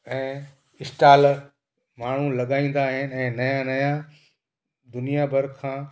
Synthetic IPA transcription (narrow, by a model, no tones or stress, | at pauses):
ɛ̃ː | ɪsʈaːl | maːɳ̤ulɐɠaːĩːn̆d̪aːɦɪnɪ̆ɛ̃ːnɐjanɐja | d̪ʊnijabʱɐɾkʰãː